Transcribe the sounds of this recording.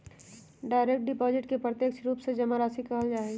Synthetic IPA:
ɖaːɪɾek̚ʈ̚ɖɪpɔːzɪʈkepɾət̪eːkʃɾuːpsed͡ʒɐmaɾaːsikɐɦəld͡ʒaːe

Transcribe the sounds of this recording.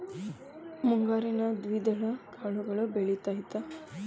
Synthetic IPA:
muŋɡaɾinad̪ʋid̪əɭəkʰaɭuɡəɭəbeɭit̪aɦit̪a

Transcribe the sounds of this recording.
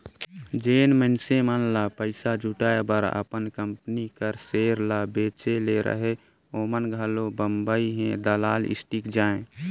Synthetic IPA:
d͡ʒeːnmənsemənlapəɪsad͡ʒʱuʈaːebəɾə̰pənkəmpənikəɾseːɾlabeːt͡ʃeleɾə̰ɦe | oːmənɡʱəlobəmbəiɦɛ̃d̪əlaːlɪ̰sʈikd͡ʒaːẽ

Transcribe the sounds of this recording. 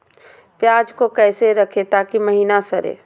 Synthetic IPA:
pjaːd͡ʒkokɛːseɾɐkʰet̪aːkiməɦiːnasɐɾḛː

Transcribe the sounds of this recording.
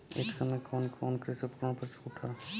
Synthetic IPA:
ḛːksəməjkʰoːnkʰoːnkɾisopkɾõpəɾt͡ʃʰuːʈʰa

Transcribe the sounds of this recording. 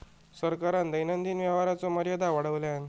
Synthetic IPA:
səɾkaɾand̪əjnənd̪iːnʋjɛʋaɾat͡sɔməɾjəd̪ʱaʋaɽəʋljan

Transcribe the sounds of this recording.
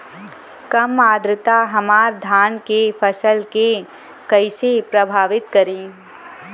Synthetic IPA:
kɐmaːd̪ɾət̪aɦɐmaːɾd̪ʱaːnkefʰɐsəlke | kɐɪsepɾɐbʱaːʋɪt̪kɐɾẽː

